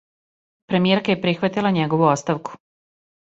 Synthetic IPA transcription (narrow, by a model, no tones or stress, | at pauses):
pɾe̞mijeɾkajepɾixʋat̪ilˠaɲeɡo̞ʋuot̪st̪aʋku̥